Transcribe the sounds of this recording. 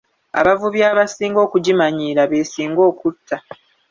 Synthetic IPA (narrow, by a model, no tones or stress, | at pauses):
a̰βavuβjaːβasiːŋɡo̞ːkuɟimaɲiːɾaβeːsiːŋɡo̞ːkutʰːa